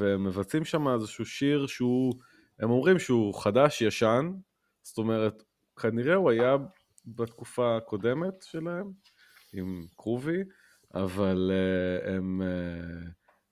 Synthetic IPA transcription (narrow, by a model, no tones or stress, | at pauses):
veemːe̞vat͡simʃamaezeʃuʃiʁʃeu | e̞mo̞mʁimʃeuχadaʃjaʃan | z̥o̥t̪o̞me̞ʁet̪ | kʰaniʁe̞uaja | bat̪kufaːko̞de̞me̞tʃe̞lae̞m | imkʁuvi | avaleme